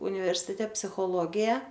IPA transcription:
ʊnʲɪʋʲɛrʲsʲɪˈtʲɛ pʲsʲɪxoːˈlˠoːɡʲɪjɛ

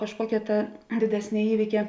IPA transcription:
kɐʃˈkuɔkʲɛ tɐ dʲɪˈdʲæːsʲnʲeː ˈiːʋʲiːkʲɛ

